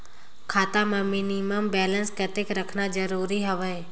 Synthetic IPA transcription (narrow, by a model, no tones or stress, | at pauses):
kʰaːt̪amãmɪniməmbɛːlə̃nskət̪ɪkɾəkʰnad͡ʒəɾuːɾiɦəʋəj